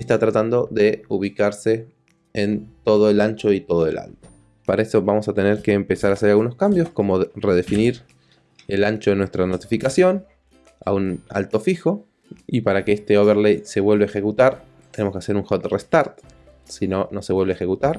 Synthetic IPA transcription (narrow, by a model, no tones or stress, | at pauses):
est̪at̪ɾat̪and̪o̞ðe̞uβ̞ikaɾse̞ː | nt̪o̞ðoelant͡ʃo̞it̪o̞ð̞oe̞̰lʔa̰lt̪o̥ | paɾaeso̞βamo̞sat̪e̞neɾkeːmpe̞saɾaːseɾalɣuno̞skambjo̞sko̞mo̞ðreð̞e̞finiɾ | e̞lant͡ʃoðenwe̞st̪ɾano̞t̪ifikasjo̞n | a̰una̰lt̪o̞fixo̞ | ipaɾakeest̪eoβeɾlejse̞βwe̞lβaexe̞kut̪aɾ | t̪ene̞mo̞skease̞ɾuŋxot̪rest̪aɾt̪ | sino̞no̞seβwe̞lβaexe̞kut̪aɾ